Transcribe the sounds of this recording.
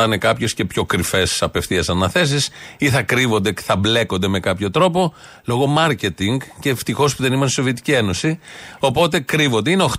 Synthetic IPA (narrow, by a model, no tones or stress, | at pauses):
ɐne̞kɐpçe̞sce̞pço̞kɾife̞sɐpe̞fθiɐsɐnɐθe̞s̬isiθɐkɾivo̞nd̪e̥θɐble̞ko̞nd̪eme̞kɐpço̞t̪ɾo̞po̞ | lo̞ɣo̞mɐɾce̞t̪iŋɡceft̪ixo̞spuðe̞nimost̪iso̞viet̪i̥cie̞no̞sio̞po̞t̪e̞kɾivond̪eineo̞x